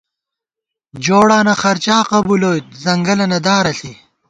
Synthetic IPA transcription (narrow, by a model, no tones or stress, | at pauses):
d͡ʑoːɽaːnɐxɐɾt͡ɕaːqɐbuloːjt̪̚zɐŋɡɐlɐnɐd̪aːɾɐɬi